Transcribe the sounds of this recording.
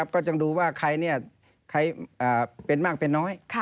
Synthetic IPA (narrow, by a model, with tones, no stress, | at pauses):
p̚kɔː˥˩t͡ɕa˧ŋduː˧waː˥˩kʰa˧jni˥˩ɐ | kʰa˧jʔaː˨˩pe˧nmaː˥˩k̚pe˧nːɔː˦˥jkʰ